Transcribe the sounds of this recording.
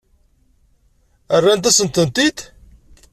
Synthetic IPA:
ərːænt̪̬æsənt̪ənt̪id̪

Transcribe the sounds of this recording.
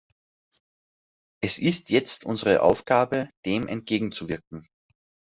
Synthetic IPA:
ʔɛsʔɪstʰjɛt͡stʰʔʊ̰nzəʁəʔa̰ʊfɡ̥aːbəd̥eːmʔɛ̰nt̚ɡ̥eːɡŋ̩t͡suvɪɐkŋ̩

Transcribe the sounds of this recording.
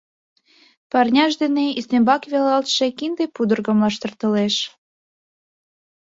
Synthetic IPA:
pɑrnʲɑʃ̬d̪eneisnembɑkβelɑlt̪ʃekind̪epud̪ərɣə̆mlɑʃt̪ərt̪əleʃ

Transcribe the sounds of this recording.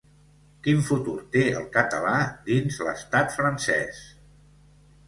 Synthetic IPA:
kiɱfut̪uɾt̪eə̰lˠkət̪əlad̪inzlə̰st̪at̪fɾənsɛ̰s

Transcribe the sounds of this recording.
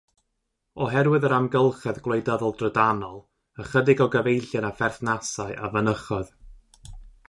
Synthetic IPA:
ɔɦɛɾwɨðəɾamɡəlˠχɛðɡwlˠejdaðɔlˠdrədanɔlˠ | əχədɪɡɔɡəvejɬjanafɛrθnasaɨʔavənəχɔð

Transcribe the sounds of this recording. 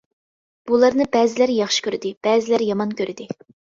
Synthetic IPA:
b̥ulˠɑɾnɨbɛːzɪlæɾjɑχʃi̥kʲøɾɪd̪ɪb̥ɛːzɪlæɾjɑmɑnkʲʰøɾɪd̪ɪ

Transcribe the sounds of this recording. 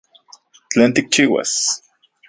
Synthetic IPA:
t͡ɬeːnt̪ik̚t͡ʃiːwa̰s

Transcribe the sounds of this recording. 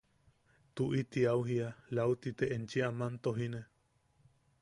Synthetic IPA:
t̪uʔit̪iauɦialawt̪it̪eʔent͡ʃiamant̪oɦine

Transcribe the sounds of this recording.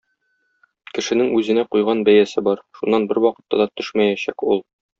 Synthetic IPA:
kɘ̆ʃɘ̆nɘŋʉzɘ̆næqujʁɑnbæjæsɘbɒɾʃunːɑnbɘɾwɒqɤ̆t̪ːɑd̪ɑt̪ɵʃmæjæɕækulˠ

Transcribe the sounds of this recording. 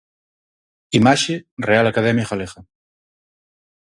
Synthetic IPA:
imaʃerealakaðɛmjaxalexa

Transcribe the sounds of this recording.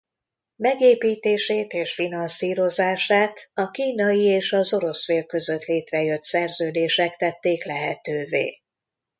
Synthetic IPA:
mɛɡeːpiːt̪eːʃeːt̪eːʃfinɒnsiːɾo̞zaːʃaːt̪ɒkiːnɒjieːʃɒzo̞ɾo̞sfeːlkø̞zø̞t̪leːt̪rɛjøt̪sɛrzøːd̪eːʃɛkt̪ɛt̪ːeːklɛɦɛt̪øːvḛː

